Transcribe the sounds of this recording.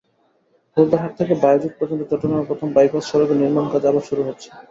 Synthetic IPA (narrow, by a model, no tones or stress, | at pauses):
hold̪aɦaʈt̪ʰekebajod͡ʑik̚pɾod͡ʑont̪̬ot͡ɕɔʈːonapɾot̪ʰombajkasʃɔɾokeniɾmankad͡ʑabaɾʃuɾuɦotːɕʰe̥